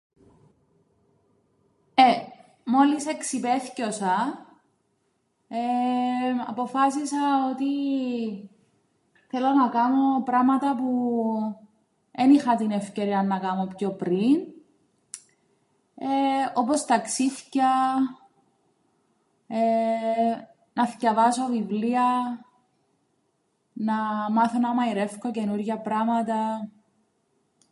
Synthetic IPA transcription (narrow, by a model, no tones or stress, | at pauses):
e | mo̞liseksipeθcosɐ | e | ɐ̰po̞fɐs̬isɐot̪i | θe̞lo̞nɐkɐno̞pɾɐmɐt̪ɐpu | enixɐt̪inefce̞ɾiɐnːɐkɐmo̞pço̞pɾin | eo̞post̪ɐksiθcɐ | e | nɐθcɐvɐsovivliɐ | nɐmɐθonɐmɐiɾe̞fkoce̞nuɾʝɐpɾɐmɐt̪ɐ